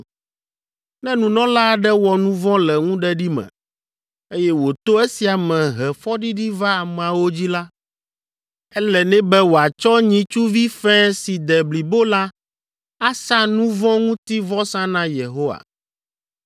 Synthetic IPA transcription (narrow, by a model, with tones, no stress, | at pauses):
nɛ̃˦nũ˨nɔ̃˦la˦ɖɛ˦wɔ˨nũ˦vɔ̃˦lɛ˨ŋũ˦ɖɛ˦ɖi˦mɛ̰̃˨ | e˦jɛ˦wo˨t̪o˦e˦si˨a˨mɛ̃˨ɦɛ˨fɔ˦ɖi˦ɖi˦va˦a˨mɛ̃˨a˨wo˦d͡ʑi˦la˦ | ɛ˦lɛ˨nɛ̃˦bɛ˦wo˨a˨t͡ʃɔ˦ɲĩ˨t͡ʃu˦vi˦fɛ̃˦si˨d̪ɛ˨bli˨bo˦la˦ | a˦sa˦nũ˦vɔ̃˦ŋũ˦t̪i˦vɔ˦sã˦nã˦je˨ɦo˦wa̰˨